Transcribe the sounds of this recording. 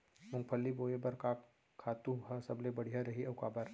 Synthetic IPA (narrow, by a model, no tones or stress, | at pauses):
mʊ̃ŋɡpʰəlːiboːebɐɾkaː | kʰːaːt̪ũɦɐsɐblebɐɽ̤ijaɾɐɦiʔɐʊkaːbəɾ